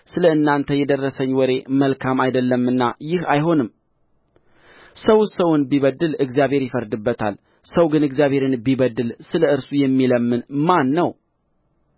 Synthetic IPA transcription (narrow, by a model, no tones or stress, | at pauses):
sɨləɨnːant̪ʰəjɛd̪ərːəsəɲːwɔɾe̞məlkʰamajd̪əlːəmːɨnːajɪhajɦo̞nɨm | səwsəwʊnbiβəd̪ːɨlɨɡzijaβʱhe̞ɾjɪfəɾd̪ɨbːət̪ʰa̰l | səwɡɨnɨɡzjaβhe̞ɾɨnbiβəd̪ɨlsɨləɨɾsujɛmːiləmːɨnmanːəw